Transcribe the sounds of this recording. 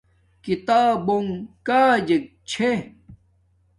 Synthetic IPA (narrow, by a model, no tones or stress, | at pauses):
kit̪aːboŋkaːd͡ʑek̚t͡ɕʰe